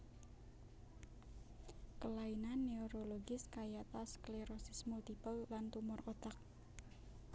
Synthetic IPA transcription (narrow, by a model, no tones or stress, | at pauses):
kəlainanːeoɾoloɡɪskajat̪askleɾɔsismult̪ipəwlant̪umʊrʔot̪ak̚